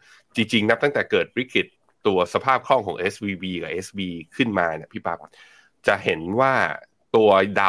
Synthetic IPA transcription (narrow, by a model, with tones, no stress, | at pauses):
t͡ɕi˧ŋt͡ɕi˧ŋna˦˥p̚t̪a˥ŋt̪ɛː˨˩kɤː˨˩t̪̚bɾi˦˥kʰi˨˩t̪ː | u˧ɐsa˧pʰaː˥˩p̚kʰɔ˥˩ŋkʰɔː˩˦ʔe˦˥swiː˧wiː˧ka˨˩ʔe˦˥swiː˧kʰɯ˥˩nmaː˧ni˨˥˩pʰiː˥˩pa˦˥p | t͡ɕa˨˩ʔhe˩˦nwaː˥˩ | t̪u˧ɐda˧